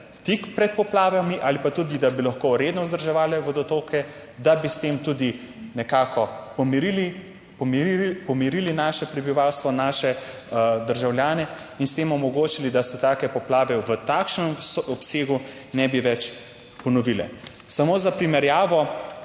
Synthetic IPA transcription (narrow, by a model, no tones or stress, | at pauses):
t̪ikpɾɛt̪̚pɔplaːʋamiʔalipat̪uːd̪id̪abilɐxkoːɾeːd̪nɔzd̪əɾʒɛʋaːlɛʋɔd̪ɔt̪oːkɛ | d̪abist̪emt̪uːd̪i | nɛkaːkʰɔpɔmiɾili | pɔmipɔmiɾilinaːʃɛpɾɛbiʋawst̪ʋɔnaːʃɛ | d̪əɾʒawljaːnɛ | inst̪emɔmɔɡoːt͡ʃilid̪asɛt̪aːkɛpɔplaːʋɛʋət̪aːkʃnɛmsɔpseːɡu | nɛbiʋɛt͡ʃ | pɔnɔʋilɛ̰ | samoːzapɾimɛɾjaːʋɔ